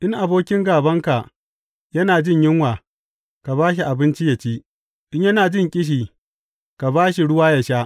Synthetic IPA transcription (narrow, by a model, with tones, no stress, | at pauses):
ʔɪ˦ŋʔa˨boː˦kʲɪ˦ŋɡaː˨bɐ˦ŋka˨ | jɐ˦naː˨d͡ʒɪ˦ɲjɪ˦ŋwaː˨ | ka˨baː˦ʃ̬i˨ʔa˨bɪ˦nt͡ʃi˦jɐ˨t͡ʃi˦ | ʔɪ˦ɲjɐ˦naː˨d͡ʒɪ˦˨ŋkʲʼɪ˦ʃ̬iː˨ | ka˨baː˦ʃi˨ɽʊ˦waː˦jɐ˨ʃa˦ʔ